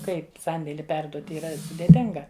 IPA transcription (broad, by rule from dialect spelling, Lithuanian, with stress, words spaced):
ˈkɐɪp ˈsɐnʲdʲeːlʲɪ ˈpʲɛrduɔt iːˈrɐ sʊdʲeːˈtʲɪŋɡɐ